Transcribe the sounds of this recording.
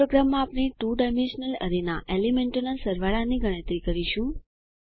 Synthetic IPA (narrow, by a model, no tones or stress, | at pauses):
oɡɾamːãːpɽ̃eʈuɖajmẽnʃnələ̰ɾina̰ʔelimẽɳʈonasəɾʋaɭaniɡəɽ̃ə̃t̪ɾikəɾiʃũ